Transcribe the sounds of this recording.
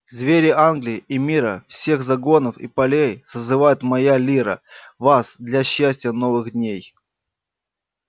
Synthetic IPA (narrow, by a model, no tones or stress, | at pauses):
zvʲeɾʲɪanɡlʲɪɪʔimʲiɾəfsʲe̞xzɐɡo̞nəfḭpɐlʲejsəzɨvajɪt̪mɐjalʲiɾə̰vasd̪lʲɐɕːæsʲtʲɪjəno̞vɨɣd̪ʲnʲej